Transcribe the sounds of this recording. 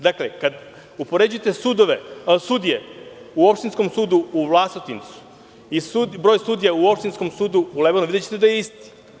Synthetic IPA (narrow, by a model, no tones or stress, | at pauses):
d̪aklekad̪ | upo̞ɾe̞d͡ʑujet̪esud̪oʋesud̪ijeuopʃt̪insko̞msuːd̪uuʋlˠast̪it̪int̪su̥ | isubɾojsuːd̪ijauo̞pʃt̪insko̞msuːd̪uːlebonuid̪et͡ɕe̥t̪ed̪ajeist̪i̥